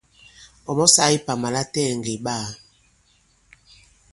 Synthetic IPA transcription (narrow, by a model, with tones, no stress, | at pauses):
ɔ˨mɔ˦sa˦i˦pa˨ma˨la˦tɛ˦˨ŋɡe˨ɓa˦˨